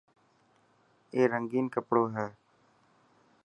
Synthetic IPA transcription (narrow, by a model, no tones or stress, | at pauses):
eːɾəŋɡiːnkəpɽoːɦɛː